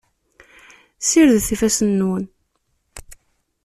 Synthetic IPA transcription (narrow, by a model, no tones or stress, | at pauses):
siɾðθifæsənːwən